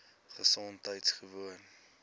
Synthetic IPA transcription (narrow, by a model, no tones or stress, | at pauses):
χəsɔntɦəjtsχəvuən